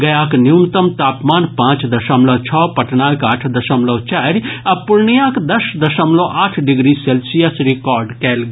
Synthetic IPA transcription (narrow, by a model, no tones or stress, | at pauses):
ɡɐjaːknjuːnt̪əmt̪aːpmaːnpãːt͡ʃd̪ɐʃəmlɐːt͡ʃʰɔːpɐʈnaːkaːʈʰd̪ɐʃəmlɔt͡ʃaːɾɐpʊɾnijãːkd̪ɐʃd̪ɐʃəmlõʔaːʈʰɖɪɡɾiselsijəsɾikɔːɾɖkɛːl